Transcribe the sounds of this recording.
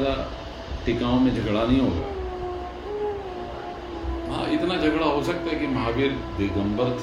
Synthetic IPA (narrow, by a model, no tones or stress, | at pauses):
da | ʈɪkãːõmẽd͡ʒʱɐɡɽanɐɦĩɦoːsɐkː | ɦã̰ːɪt̪nad͡ʒʱɐɡɽaɦosɐk̚t̪aɦɛkimɐɦaːbiːɾd̪ɪɡə̃mbəɾt̪